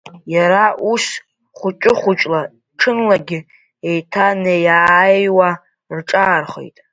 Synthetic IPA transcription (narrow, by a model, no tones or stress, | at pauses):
jaɾaʔus | χʷʊt͡ʃʷʼɪχʷʊt͡ʃʷʼla | ʈ͡ʂʰɨnlaɡʲɪ | ejtʰanejaːjwa | rʈ͡ʂʼaːrχo̞̰jtʼ